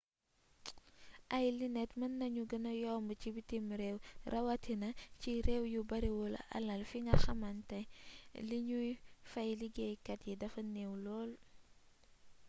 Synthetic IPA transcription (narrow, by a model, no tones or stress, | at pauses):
ʔajlinɛtmɐnːɐɲuɡənɐjɔmbət͡ʃibitimɾewɾʔɐwatinɐt͡ʃiɾewjubaɾiwɔla̰ʔa̰lɐlfiŋɡɐxɐmantaliɲufajliɡejkɐtjidɐfɐnewlɔːl